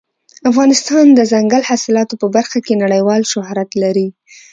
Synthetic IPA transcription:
afɣɑnɪst̪ɑnd̪əzaŋɡalhasɪlɑt̪opəbaɾxakenaɽəjwɑlʃʊhɾat̪laɾi

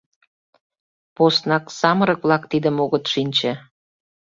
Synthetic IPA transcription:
post̪nɑksɑməɾək̚βlɑkt̪id̪əmoɣət̪ʃinʲt͡ɕĕ

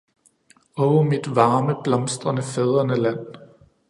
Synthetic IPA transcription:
ɒʊmid̥ʋɑ̈ːməb̥lɒmsd̥ʁɐnəfeð̞ˠʁɐnəlæn̰

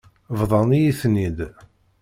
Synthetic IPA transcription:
vðˤɑnijiθnid̪

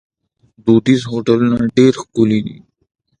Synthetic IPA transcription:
d̪oːd̪iːs̬ɦoːʈəlnaɖeːɾxkuliːnḭː

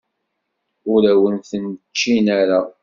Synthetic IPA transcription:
ʊɾæwənθənt͡ʃːinæɾa

